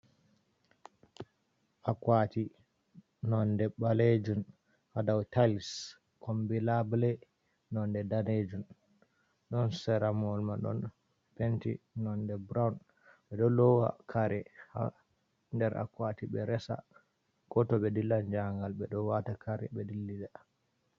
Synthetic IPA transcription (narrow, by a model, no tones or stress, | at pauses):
ʔakwati | nɔndɛɓaled͡ʒun | hadawtals | kʰɔmbilablɛ | nɔndɛdaned͡ʒun | ɗɔnsɛɾamɔlmaɗɔ̰n | pɛntinɔndɛbɾawn | ɓɛɗɔlɔwa̰kʰaɾɛha̰ | ndɛɾʔa̰kwatiɓɛɾɛsa̰ | ɡɔtɔɓɛdilːand͡ʒaŋɡalɓɛɗɔwatakaɾɛ̰bɛdilːidɛ